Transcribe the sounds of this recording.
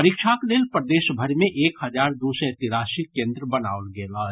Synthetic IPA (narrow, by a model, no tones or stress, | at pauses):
əɾikʃʰakleːlpɾəd̪eːʃbʱəɾmẽʔeːkhɐd͡ʒaːɾd̪usɛet̪ɪɾaːsikẽːnd̪ɾəbɐna̰ːʊlɡeːlaːɦɛ